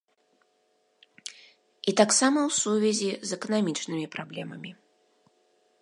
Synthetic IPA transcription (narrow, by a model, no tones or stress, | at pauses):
it̪aksamɐwsuvʲɛzʲizɛkɐnamʲit͡ʂnɨmʲipɾablʲɛmɐmʲi